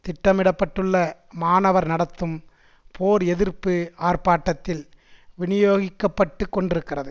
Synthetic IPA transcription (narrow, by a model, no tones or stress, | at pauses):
t̪ɪʈːɐmɪɽɐpːɐʈːɯɭːɐ | maːnɐʋɐɾnɐɽɐt̪ːɯm | pʰoːɾɛðɪɾpɯaːrpaːʈːɐt̪ːɪl | ʋɪnɪjoːɣɪkːɐpːɐʈːɯkːɔɳɖɪɾɯkːɪrɐðɯ